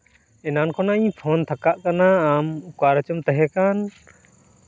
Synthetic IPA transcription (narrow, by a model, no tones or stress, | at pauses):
ɛnankʰɔnãpʰɔnt̪ʰakaʔkanaːmukaɾət͡ʃɔmt̪ɛɦɛkan